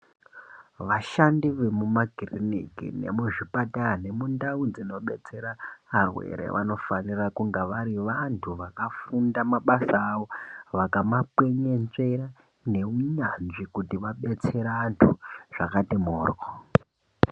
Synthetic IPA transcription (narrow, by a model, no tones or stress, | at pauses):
ʋaʃandiʋe̞mumaɡʱirinikḭnḛmuʐipatane̞mundaud͡zino̞ɓe̞t͡se̞ɾaːrwḛɾḛʋʔa̰no̞fanirakuŋɡaʋaɾiʋantʰuʋakafundamaɓasaːʋo̞ʋakamapwe̞ɲenʐe̞ra | ne̞uɲanʐikutiʋaɓe̞t͡se̞ɾaːntʰuʐ̥akatimoːrko